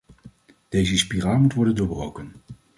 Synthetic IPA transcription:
d̥ejzəspiraːlˠmutʋɔɹdəndoːɹbrowkən

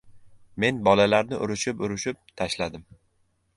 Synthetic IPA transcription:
me̞nbɒlalaɾnɪʔʊɾɪʃɪpʊɾɪʃɪp̚t̪ʰaʃlad̪ɪm

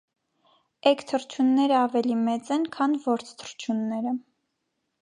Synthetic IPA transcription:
ɛkt̪ʰəɾt͡ʃʰunːɛɾəɑvɛlimɛt͡sɛnkʰɑnvɔɾt͡sʰt̪ʰəɾt͡ʃʰunːɛɾə

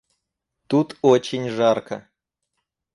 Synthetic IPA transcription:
t̪ut̪ot͡ɕɪnʲʐarkʰə̰

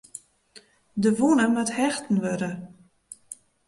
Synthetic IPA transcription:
dəʋunəmathɛxtn̩ʋøɾə

